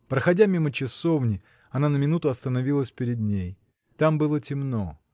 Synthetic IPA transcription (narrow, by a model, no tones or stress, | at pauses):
pɾəxɐdʲamʲimət͡ɕɪso̞vnʲɪ | ɐnanəmʲɪnut̪ʊɐst̪ənɐvʲilˠəsʲpʲɪɾʲɪd̪̚nʲej | t̪ambɨlˠətʲɪmno̞